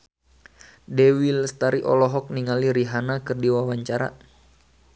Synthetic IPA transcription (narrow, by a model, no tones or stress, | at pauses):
dɛwilst̪aɾiʔɔ̰lɔɦɔk̚niŋaliɾiɦanakɨrdiwawaɲt͡ʃaɾa̰